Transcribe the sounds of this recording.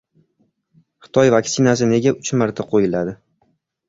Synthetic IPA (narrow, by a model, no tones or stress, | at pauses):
χɨ̥t̪ʰɒjvaksɪnas̬ɪne̞ɡʲaʊt͡ʃmaɾt̪ʰaqʰojɪlad̪ɪ